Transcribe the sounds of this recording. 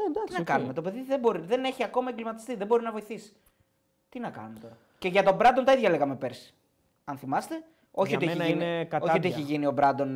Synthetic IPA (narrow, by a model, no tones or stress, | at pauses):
ned̪ɐk̪snɐkɐnume̞t̪ope̞ðiðebo̞ɾiðe̞ne̞çiɐko̞mɐeɡlimɐt̪i̥st̪iðembo̞ɾinɐvo̞iθisi̥ | t̪inɐkɐ̰numet̪o̞ɾɐ | ce̞ʝɐt̪o̞bɾɐd̪ont̪ɐiðʝɐle̞ɣɐmepe̞ɾsi̥ | ɐnθimɐst̪e | o̞çiot̪eçiinioiot̪ieçiʝinio̞bɾɐd̪o̞n